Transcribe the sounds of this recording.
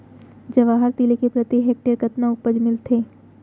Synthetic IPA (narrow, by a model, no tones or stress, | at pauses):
d͡ʒɐʋaːɦəɾt̪ilekepɾət̪iɦɛːk̚ʈeːɾkɐt̪naʊpəd͡ʒmɪlt̪ʰeː